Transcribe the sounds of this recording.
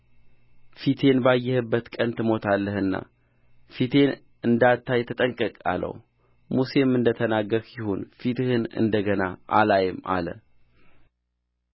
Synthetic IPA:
fit̪ʰe̞nbajːɛhɨbːət̪kʼənt̪ʰɨmo̞t̪ʰalːəhɨnːa̰ | fit̪ʰe̞n | ɨnd̪at̪ʰːajt̪ʰət̪ʼəŋkʼəkʼa̰lə̰w | muse̞mɨnd̪ət̪ʰənaɡːəkjɪhunfit̪ʰɨhɨnɨ̰nd̪əɡənaʔalajɪma̰lə̰

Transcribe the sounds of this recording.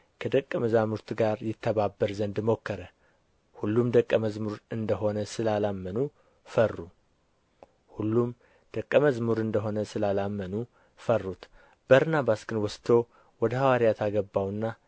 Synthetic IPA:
kʰəd̪əkʼːəməzamuɾt̪ʰɡaɾjɪt̪ʰːəβabːəɾzənd̪mo̞kːəɾə | hulːumd̪əkʼːəməzmuɾɨnd̪əɦo̞nəsɨlalamːənu | fərːu | hulːum | d̪̥əkʼːəməzmuɾɨnd̪əɦo̞nəsɨlalamːənu | fərːut̪ | b̥əɾnabasɡɨnwɔst̪ʰo̞ | wɔd̪əhawaɾijat̪ʰaɡəbːawnːa

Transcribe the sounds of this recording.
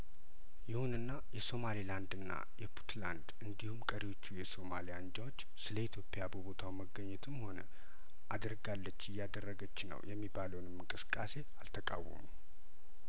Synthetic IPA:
jɪhunɨnːajɛso̞maliland̪ɨnːa̰jɛpʰu̥t̪land̪ɨnd̪ihumkʼəɾiwo̞t͡ʃːujɛso̞malijand͡ʒawo̞t͡ʃːsɨləit̪ʰjo̞pʼejabəbo̞t̪ʰawməɡːəɲːɛt̪ʰɨmho̞nə | ʔad̪əɾɡalːət͡ʃːɪjːad̪ərːəɡət͡ʃːnə̰wjɛmːibaləwnɨmːɨŋkʼɨsɨ̥kʼːase̞alt̪ʰəkʼa̰wːə̰mu

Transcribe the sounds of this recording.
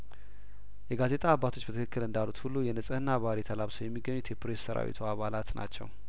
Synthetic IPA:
jɛɡaze̞t̪ʼaːbːat̪ʰo̞t͡ʃːbət̪ʰɨkʰɨkːɨlɨnd̪alut̪hulːujɛnɨsʼəhɨnːaβaɾit̪ʰəlaβsəwjɛmːiɡːəɲːut̪jɛpɾessəɾa̰wḭt̪ʰuaβalat̪nʔa̰t͡ʃːɛ̰w

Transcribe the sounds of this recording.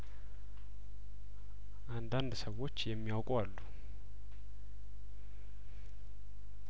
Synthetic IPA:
ʔand̪and̪səwo̞t͡ʃːjɛmːiawkʼualːu

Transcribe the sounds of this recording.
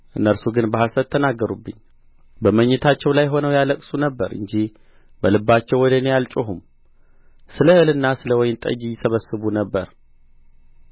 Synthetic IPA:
ʔɨnːəɾsuɡɨnbəɦasət̪ʰːənaɡːəɾubːɨ̰ɲː | bəməɲːɛt̪ʰat͡ʃːɛwlajɦo̞nəwjaləkʼsunəbːəɾʔɨ̰ɲd͡ʒih | bəlɨbːat͡ʃːɛwɔd̪ənejalt͡ʃʼoɦum | sɨləhɨlɨnːasɨləwɔjɪnt̪ʼə̰d͡ʒijːɪsəβəsːɨβunəbːəɾ

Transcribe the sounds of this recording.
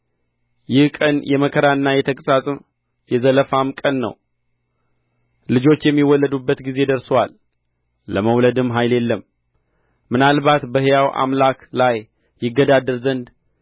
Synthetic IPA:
jɪhkʼənjɛməkʰəɾaɨnːajɛt̪ʰəkʼəsasʼɨm | jɛzələfamkʼənːə̰w | lɨd͡ʒo̞t͡ʃːjɛmːiwɔlːəd̪ubːət̪ɡize̞d̪əɾsowalː | əməwləd̪ɨmɦajle̞lːəm | mɨnalbat̪bəhjawʔa̰mlaklajː | ɪɡːəd̪ad̪əɾzənd̪

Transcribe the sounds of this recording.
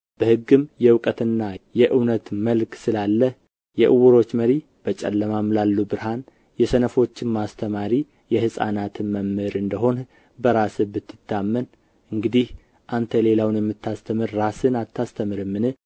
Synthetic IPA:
b̥əhɨɡːɨmjɛwkʼət̪ɨnːajɛʔɨwnət̪məlksɨlalːəh | jɛʔɨwuɾo̞t͡ʃːməɾi | b̥ət͡ʃʼɛ̰lːəmamlalːubɨɾɦan | jɛsənəfo̞t͡ʃːɪmmast̪ʰəmaɾi | jɛhɨsʼa̰nat̪ʰɨnməmːɨɾɨnd̪əɦo̞n | bəɾasɨbɨt̪ʰːɨ̥t̪ːamːən | ʔɨŋɡɨd̪ih | ʔant̪ʰəle̞lawnjɛmːɨt̪ːast̪ʰəmɨɾːasɨnat̪ʰːast̪ʰəmɨɾɨmːɨnɨ

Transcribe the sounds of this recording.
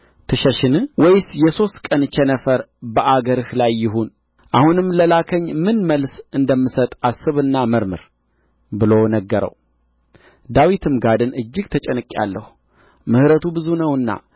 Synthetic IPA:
t̪ʰɨʃəʃɪnɨwɔjsjɛso̞st̪kʼənt͡ʃɛnəfəɾbəʔaɡəɾɨhlajːɪɦun | ʔahunɨmːləlakʰəɲːmɨnməlsɨnd̪əmːɨsət̪ʼasːɨβɨnːaməɾmɨɾ | bɨlonəɡːəɾə̰w | d̪awit̪ʰɨmɡad̪ɨnɨd͡ʒːɪɡ̚t̪ʰət͡ʃʼɛnɨkʼja̰lːəhu | mɨhɾət̪ʰubɨzunəwɨnːa̰

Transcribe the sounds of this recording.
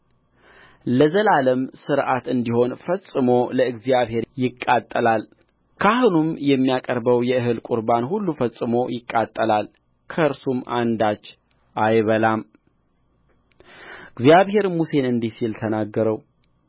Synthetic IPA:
ləzəlaləmsɨɾʔat̪ɨnd̪iho̞nfəsʼɨmo̞ləɨɡzjaβhe̞ɾjɪkʼːat̪ʼːəlal | kʰahunumjɛmːijakʼəɾbəwjɛɨɦɨlkʼuɾbanhulːufəsʼɨmo̞jɪkʼːat̪ʼːəlal | kʰəɨɾsumʔand̪at͡ʃː | ʔajβəlam | ɨɡzijaβhe̞ɾmuse̞nɨnd̪isilt̪ʰənaɡːəɾəw

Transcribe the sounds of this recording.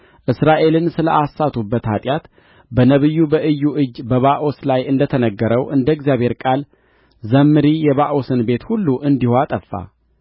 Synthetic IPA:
ʔɨsɾaʔe̞lɨnsɨləʔasːat̪ʰubːət̪hat̪ʼjat̪ | bənəβɨjːubəʔɨjːuʔɨd͡ʒːbəβaʔoslajɨnd̪ət̪ʰənəɡːəɾəwʔɨnd̪əɪɡzijaβhe̞ɾkʼal | zəmːɨɾijɛβaʔo̞sɨnbe̞t̪hulːuʔɨnd̪ihoat̪ʼəfːa̰

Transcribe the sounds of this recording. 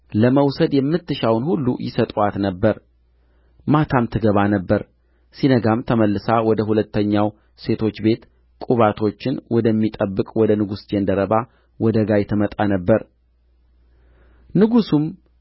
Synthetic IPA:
ləməwsəd̪jɛmːɨt̪ːɨʃawnhulːṵjɪsət̪ʼat̪nəbːəɾ | mat̪ʰamt̪ʰɨɡəβanəbːəɾ | sinəɡamt̪ʰəməlːɨsawɔd̪əhulət̪ːəɲːaw | se̞t̪ʰo̞t͡ʃːbe̞t̪ | kʼuβat̪ʰo̞t͡ʃːɪnwɔd̪əmːit̪ʼəbːɨkʼwɔd̪ənɨɡusd͡ʒ̪end̪əɾəβa | wɔd̪əɡajɛt̪ʰəmət̪ʼanəbːəɾ | nɨɡusum

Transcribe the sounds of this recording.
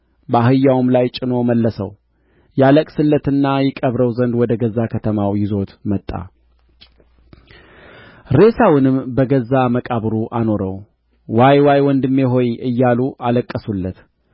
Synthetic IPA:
bəahɨjːawmlajt͡ʃʼɪno̞məlːəsə̰w | jaləkʼsɨlːət̪ɨnːajɛkʼəβɾəwzənd̪wɔd̪əɡəzːakʰət̪ʰəmawjɪzo̞t̪mət̪ʼːa̰ | ɾe̞sawɨnɨmbəɡəzːaməkʼaβɾuʔano̞ɾəw | wajwajwɔnd̪ɨmːeɦo̞jɨjːaluʔaləkʼːəsulːət̪

